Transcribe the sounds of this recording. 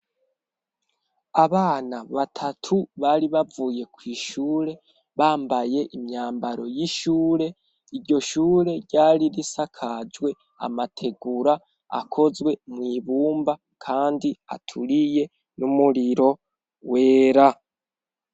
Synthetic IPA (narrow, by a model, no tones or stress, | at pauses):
aβaːnaβatʰatʰuβaːɾiβavuːje̞kwiːʃuːɾe̞ | βaːmbaje̞ʔimɲaːmbaɾo̞jiʃuːɾe̞ | iɾɟo̞ʃuːɾe̞ɾɟaːɾiɾisakʰad͡ʒwe̞ | a̰matʰe̞ɡuɾa | a̰kʰo̞zwe̞mŋiːβuːmba | kʰaːndia̰tʰuɾije̞ | numuɾiɾo̞ | we̞ːɾa